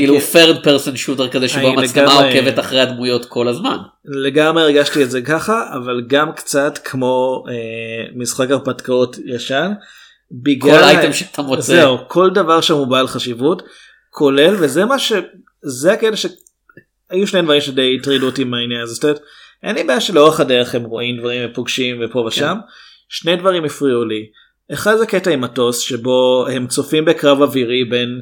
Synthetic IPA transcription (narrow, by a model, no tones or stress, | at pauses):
kilufeʁd̚peʁsonʃutekazeʃomaleɡeamamevetaχʁejadmujo̞tkʰo̞lazma̰n | leɡamʁeːʁɡaʃtietzekaχaʔavalɡamkt͡satkʰmo̞emisχakaʁpatkao̞tjaʃan | biɡlolajtemʃeatʰamozt͡seukʰo̞ldavaʁʃamubaːlχaʃivut | kʰo̞le̞lvezemaʃe | zeaketaʃe | ajuʃne̞jdvaʁimʃedejitʁiluotimainjaazestet | ʔenibejaʃeleoaχadeʁeχhemʁo̞ʔimdvaʁimvepoɡʃimvepoveʃam | ʃne̞jdvaʁimifʁiuli | eχadzeketaimato̞sʃebo̞hemt͡sofimbe̞kʁavaviʁibe̞n